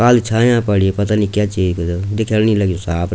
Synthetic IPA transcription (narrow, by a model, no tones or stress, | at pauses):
kaːlt͡ʃʰãːjãːpəɽiepət̪aːnĩːkjaːt͡ʃiːd͡ʒ̪d̪ɪkʰjəlnĩləɡosaːpʰ